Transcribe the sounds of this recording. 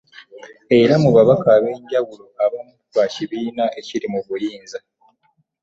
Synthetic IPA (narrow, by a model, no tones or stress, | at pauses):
e̞ɾamuβaβakaːβe̞ːɲɟawulo̞ʔaβamuβaciβiːnaʔe̞ciɾimuβujiːnza